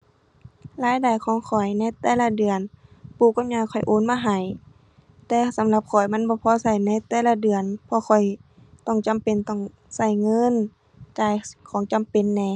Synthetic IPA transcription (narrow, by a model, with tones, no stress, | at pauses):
laː˧˥˨jda˨˩jkʰɔː˨˧˦ŋkʰɔ˨˩jna˧˨jt̪ɛː˧˩la˧˥dɯ˨˩ənpuː˧˩kːa˧˨m̚ɲaː˧˩kʰɔ˨˩jʔoː˧˥˨nmaː˧ɦa˨˩j | t̪ɛː˧sa˨˦mla˧p̚kʰɔ˨˩jma˧˥˨nbɔː˧˦pʰɔː˧˥˨sa˧˩jna˧˥˨jt̪ɛː˧˩˨la˧˥dɯ˨˩ənpʰɔ˧xʰɔ˨˩j | t̪ɔ˧˩ŋt͡ɕa˨mpe˨nt̪ɔ˧˩ŋ | sa˧˩jŋɤ˧˥˨n | t͡ɕaː˧˩jkʰɔː˨˦ŋt͡ɕa˨mpe˨nːɛː˧˩